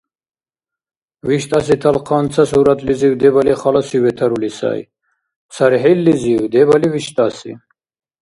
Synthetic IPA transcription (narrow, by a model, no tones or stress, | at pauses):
viʃt̪ʼasit̪ʰalqʰant͡s̪ʰasuɾat̪ʰliziwd̪ɛbaliχalasivɛt̪ʰaɾulisa̰ḭ | saɾiħɛlːiziwd̪ɛbaliviʃt̪ʼasḭ